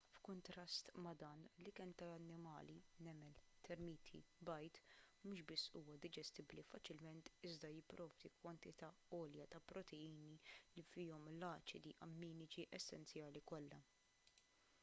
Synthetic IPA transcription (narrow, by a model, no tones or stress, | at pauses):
fkʊnt̪ɾɐst̪mɐd̪ɐːnlikɛnt̪ɐɐnːɪmɐ̰ːlinɛmɛlt̪ʰɛɾmiːt̪ʰḭbɐjt̪muːʃbɪsːṵːwɐd̪ɪd͡ʒɛst̪ɪblifɐt͡ʃɪlmɛnt̪ɪzd̪ɐjɪpːɾɔːvd̪ikwɐnt̪ɪt̪ɐɔːljɐt̪ɐpɾɔt̪ʰɛiːnilifiːɔmlɐːt͡ʃɪd̪iʔɐmːiːnɪt͡ʃiʔɛsːɛ̰nt͡sjɐːlikɔlːɐ